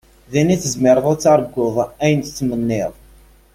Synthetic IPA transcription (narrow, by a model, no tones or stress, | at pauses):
ðiniθəzmɪɾˤəðˤæt͡sːɑɾˤəɡːʊðˤæjənt̪t͡sːmənːɪðˤ